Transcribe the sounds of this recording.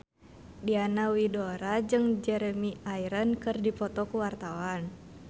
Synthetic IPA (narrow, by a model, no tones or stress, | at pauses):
dianawidoɾad͡ʒɨŋd͡ʒɛɾɛmiajɾənkɨrdipɔt̪ɔkuwart̪awan